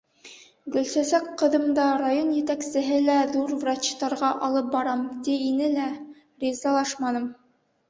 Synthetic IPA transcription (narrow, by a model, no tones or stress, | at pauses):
ɡɵ̆lsæsækqɤ̆ðɤ̆md̪ɑɾajonjɘ̆t̪æksɘ̆ɦɘlæðuɾvrat͡ɕt̪ɑɾʁɑʔɑlˠɤp̚bɑɾɑmt̪iinɘlæ | rʲizɑlˠɑʃmɑnɤm